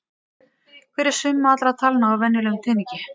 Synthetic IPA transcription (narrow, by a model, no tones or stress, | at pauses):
kʰvɪːɾɪɾ̥sʏmːaat̪lɾat̪ʰalnaːwvɛnːɪlɛɣʏmt̪ʰɛːniɲcɪ